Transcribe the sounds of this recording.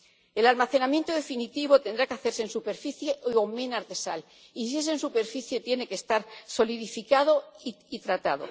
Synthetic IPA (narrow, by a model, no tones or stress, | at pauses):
e̞lalmaθe̞namje̞nt̪oð̞e̞finit̪iβo̞t̪e̞nd̪ɾakeaθe̞ɾsensupe̞ɾfiθje̞ʔomenaɾðe̞sal | is̬ies̬e̞nsupe̞ɾfiθje̞t̪je̞ne̞ke̞st̪aɾso̞liðifikað̞o̞i | it̪ɾat̪aðo̞̰